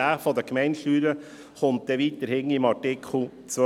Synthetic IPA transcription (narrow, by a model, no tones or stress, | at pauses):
æfɔd̪əkmɛɪnʃlyːɾə | χʊnt̚d̪̥ɛʋiːt̪əɾhɪŋɪmɑɾtɪkʰχl̩ˠ | t͡sʋœ